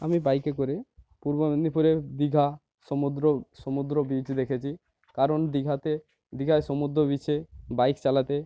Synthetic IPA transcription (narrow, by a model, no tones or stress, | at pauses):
amibajkekoɾe | puɾbonipuɾed̪iɡʱa | sɔmud̪ɾoʃɔmud̪ɾobid͡ʑd̪ekʰet͡ɕʰi | kaɾond̪iɡʱat̪e | d̪iɡʱajʃɔmud̪ɾobit͡ɕʰebajkt͡ɕalat̪e